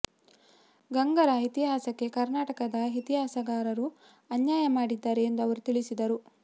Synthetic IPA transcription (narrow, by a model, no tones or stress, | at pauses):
ɡɐŋɡɐɾɐit̪iɦaːsɐkːe̞kɐɾnaːʈɐkɐd̪ɐɦit̪iɦaːsɐɡaːɾɐɾu | ɐnjaːjɐmaːɽid̪ːaːɾeːnd̪ɐʋɐɾut̪iɭisid̪ɐɾu